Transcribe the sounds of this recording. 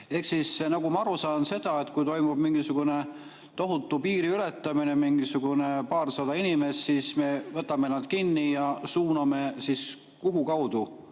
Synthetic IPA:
e̞hksisnɑɡ̥umɑɑɾusɑːnse̞d̪̥ɑe̞t̪ˑkujt̪o̞jmub̥miŋɡ̥isuɡ̥une̞ | t̪o̞ɦut̪ːˑupiːɾiyle̞t̪ˑːɑmine̞miŋɡ̥isuɡ̥une̞pɑːrsɑd̪̥ɑinime̞sːisme̞vɤt̪ːˑɑme̞nɑd̪̥kinːijɑsuːnɑme̞sis | kuɦukɑwd̪̥u

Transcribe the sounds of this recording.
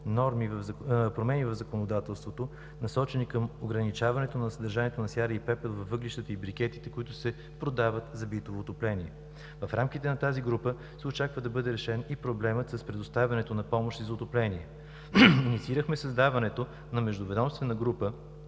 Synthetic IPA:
nɔɾmivpɾomɛnivɐvzɐkonod̪at̪ɛlˠst̪vot̪o | nɐsɔt͡ʃɛnikəmoɡɾɐnit͡ʃavɐnɛt̪onɐsəd̪ɐɾʒaniɛt̪onɐsjaɾəipɛpɛlˠvɐfvːɤɡliʃt̪ət̪əibɾik̟ɛt̪it̪ɛkʊit̪ʊsɛ | pɾod̪avət̪zɐbit̪ovoːt̪oplɛniɛ | vɐfɾamkit̪ɛnɐt̪aziɡɾupə | sɛot͡ʃakvəd̪ɐbɤd̪ɛɾɛʃɛnipɾoblɛmət̪sɐspɾɛd̪ost̪avʲɐnɛt̪onɐpɔmoʃt̪izɐʊt̪oplɛniɛ | init̪siiɾəxmɛsɐzd̪avɐnɛt̪o | nɐmɛʒd̪ovɛd̪ɔmst̪vɛnəɡɾupə

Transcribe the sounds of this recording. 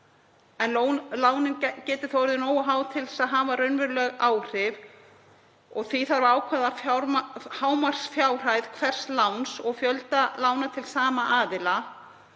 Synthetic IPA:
ɛnlolaːwnɪncɛːt̪ɪ̥θɔɾðɪnoːwaɦaːwt̪ʰɪlsaðɦavarʏnvɪɾlœɣaːwr̥ɪv | ɔɣθviθaɾvɪaːwkʰvɛðaɾhaːwmar̥sfjaːwr̥ajðkʰvɛr̥st̪lawnsɔɣfjœlt̪alaːwnat̪ʰɪlsaːmaʔaːðɪla

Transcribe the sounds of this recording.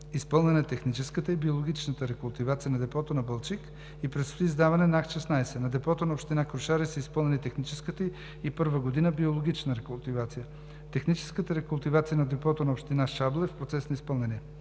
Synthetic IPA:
ispɤlˠnɛnɛt̪ɛxnit͡ʃɛskət̪əibiolˠoɡ̟it͡ʃnət̪əɾɛkʊlˠt̪ivat̪sijənɐd̪ɛpɔt̪onɐbəlˠt͡ʃik | ipɾɛsot̪izd̪avɐnɛnaxʃɛsnajsɛnɐd̪ɛpɔt̪onɐopʃt̪inakɾʊʃaɾisəispɤlˠnɛlʲit̪ɛxnit͡ʃɛskət̪ə | ipɤɾvəɡod̪inəbiolˠoɡʲit͡ʃnəɾɛkʊlˠt̪ivat̪sijə | t̪ɛxnit͡ʃɛ̥skət̪əɾɛkʊlˠt̪ivat̪sijənɐd̪ɛpɔt̪onɐopʃt̪inaʃablˠɛfpɾot̪sɛsnɐispɤlˠnɛni

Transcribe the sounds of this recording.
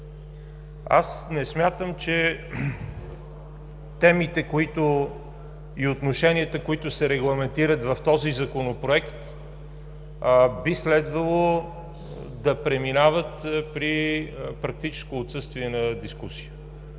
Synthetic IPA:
a̰snɛsmʲjat̪əmt͡ʃɛ | t̪ɛmit̪ɛkoit̪ʊ | iot̪noʃɛniət̪əkoit̪ʊsɛɾɛɡlˠɐmɛnt̪iɾət̪vɐft̪ɔzizɐkonopɾoɛkt̪ | bislɛd̪vəlˠo | d̪ɐpɾɛminavət̪pɾipɾɐk̚t̪it͡ʃɛ̥skoːt̪sɤst̪viɛnɐd̪iskusiə

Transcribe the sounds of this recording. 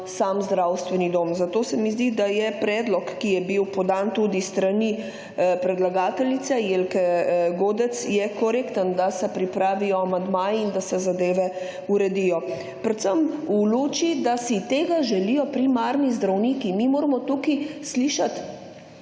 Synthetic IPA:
samzd̪ɾawst̪ʋɛnid̪oːmzat̪oːsɛmizd̪id̪ajɛpɾɛːd̪lɔkːijɛbiwpɔd̪ant̪uːd̪ist̪ɾani | pɾɛd̪laɡaːt̪ɛlit̪sɛjelkɛɡoːd̪ɛt̪sjɛkɔɾekt̪ənd̪asɛpɾipɾaːʋijɔamand̪maːjind̪asɛzad̪eːʋɛ | uɾɛd̪ijɔ | pɾɛt̪səmuluːt͡ʃid̪asit̪eːɡaʒɛlijɔpɾimaːɾnizd̪ɾawniːkimimoːɾamɔt̪ukisliːʃat̪

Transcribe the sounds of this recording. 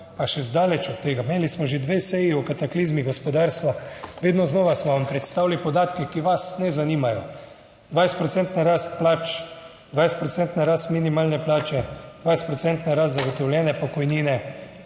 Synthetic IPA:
paʃɛzd̪aːlɛt͡ʃɔt̪̚ːeːɡameːlismɔʒed̪ʋeːsɛjiukat̪akliːzmiɡospɔd̪aːɾst̪ʋaʋeːd̪nɔznɔːʋasmɔʋampɾɛt̪st̪aːwlipɔd̪aːt̪kɛkiʋasnɛzaniːmajɔ | d̪ʋajst̪pɾɔtsɛnt̪naɾaːst̪̚plaːt͡ʃ | d̪ʋajst̪pɾɔt̪sɛnt̪naɾaːst̪minimaːlnɛplaːt͡ʃɛd̪vʋajst̪pɾɔt̪sɛnt̪naɾast̪zaɡot̪ɔwljɛːnɛpɔkɔjniːnɛ

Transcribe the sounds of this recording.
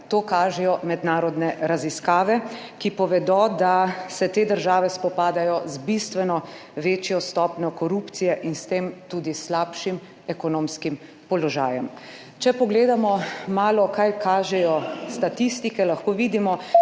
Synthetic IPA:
t̪oːkaːʒɛjɔmɛd̪naːɾɔd̪nɛɾaziskaːʋɛ | kipɔʋɛd̪ɔd̪asɛt̪eːd̪əɾʒaːʋɛspɔpaːd̪ajɔzbist̪ʋɛnɔʋeːt͡ʃjɔst̪ɔːpnɔkɔɾupt̪sijɛʔinst̪eːmt̪uːd̪islaːpʃim | ɛkɔnoːmskim | pɔlɔʒaːjɛm | t͡ʃɛpɔɡleːd̪amɔmaːlɔkajkʰaːʒɛjɔst̪at̪ist̪ikɛlaxkoːʋiːd̪imɔ

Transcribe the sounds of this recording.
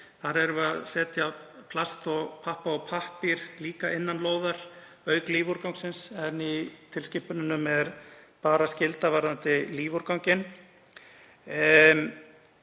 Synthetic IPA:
θaɾɛɾʏaðsɛːt̪japʰlast̪ɔɣpʰahpaɔpʰahpiɾliːkaʔɪnːanloːwðaɾ̥ | œɥkliːvuɾkawŋksɪnsɛnːit̪ʰɪlscɪhpʏnʏnːʏmɛɾpaːɾascɪlt̪avaɾðant̪ɪliːvuɾkawŋcɪn

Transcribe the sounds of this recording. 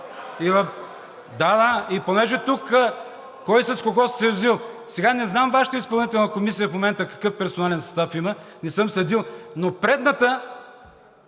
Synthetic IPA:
i | d̪ad̪aiponɛʒɛt̪ukːə | kɔjsəskoɡɔssɛɾuzilˠsɛɡanɛznamvaʃə̥t̪əispɐlˠnit̪ɛlˠnəkomisijəfmomɛnt̪əkɐ̥kɤfpɛɾsonalɛnsɐ̥st̪afimənɛsɤmsɐd̪ilˠnopɾɛd̪nət̪ə

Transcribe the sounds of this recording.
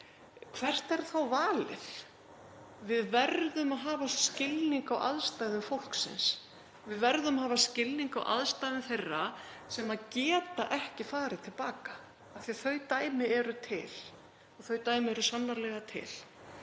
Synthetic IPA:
kʰv̥ɛr̥t̪ɛɾ̥θawvaːlɪ̰θ | vɪðvɛɾðʏmaðɦaːvasscɪlniŋkawʔa̰ðst̪aːjðʏmfowl̥ksɪ̰ns | vɪðvɛɾðʏmahaːvascɪlniŋkawʔa̰ðst̪ajðʏmθejrːasɛmaðcɛːt̪aʔɛhcɪfaːɾɪt̪ʰɪlpaːkḁ | aθiaθœɥt̪aːjmɪɛɾʏt̪ʰɪ̰l | ɔɣθœɥt̪aːjmɪɛɾʏsanːaɾlɛɣat̪ʰɪ̰l̥

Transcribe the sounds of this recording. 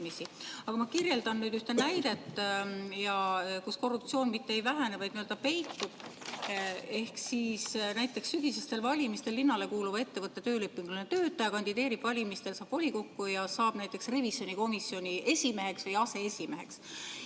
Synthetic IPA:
misiɑɡ̥ɑmɑkirje̞ld̪ɑnːyːd̪̥yht̪enæjd̪e̞t̪ːˑjɑkusko̞rːupt̪sio̞ːnmit̪ːeejvæɦænevɑjd̪niøld̪̥ɑpe̞jt̪ːˑub̥ | e̞hksiːsnæjt̪ːˑe̞ksːyɡ̥isest̪e̞lvɑlʲimist̪e̞lːinːɑle̞kuːluvɑe̞t̪ːe̞vɤt̪ːet̪ø̞ːlepːˑiŋɡ̥lunet̪ø̞ːt̪ːˑɑjɑkɑnʲd̪̥id̪̥e̞ːɾib̥vɑlʲimist̪e̞lsɑːb̥o̞lʲiko̞kːujɑsɑːb̥næjt̪ˑːe̞ksrevisjo̞niko̞misjo̞nʲiʔe̞sʲime̞ɦe̞ksvɤjɑse̞esʲime̞ɦe̞ks

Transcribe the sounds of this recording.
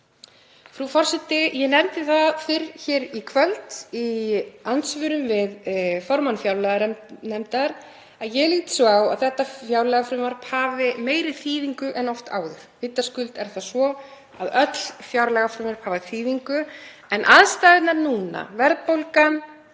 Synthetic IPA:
fɾufɔr̥sɛt̪ːɪjɛnɛmt̪ɪθaðfɪɾçɛːɾikʰvœlt̪iant̪svʏɾʏmvɪðfɔɾmanfjawɾlɛɣaɾnɛmt̪aɾ | aðjɛɣliːt̪saːwa̰ðθɛht̪ːafjawɾlɛɣafɾʏmaɾpaːvɪmeːjɾɪθiːðiŋkʏʔɛnɔft̪a̰ːwðʏɾ̥vɪt̪ːaskʏlt̪ɛɾ̥θaðsvɔ | aðœt̪l̥fjawɾlɛɣafɾʏmaɾphaːvaθiːðiŋkʏɛnʔaðst̪ajɣɪt̪naɾnuːna̰vɛɾðpowlka

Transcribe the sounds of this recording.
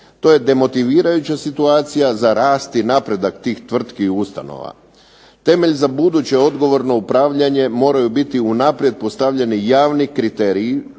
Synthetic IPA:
t̪o̞je̞d̪e̞mo̞t̪iʋiːɾajut͡ɕasit̪uaːt̪sijazaɾaːst̪inapɾe̞d̪akt̪iːxt̪ʋr̩t̪kiust̪a̰no̰ʋa̰ | t̪e̞me̞ʎzabud̪ut͡ɕe̞o̞d̪ɡo̞ʋo̞ɾno̞upɾaːʋʎaɲe̞mo̞ːɾajubit̪iunaːpɾje̞d̪̚po̞st̪aʋʎe̞nijaːʋnikɾit̪e̞ɾiː

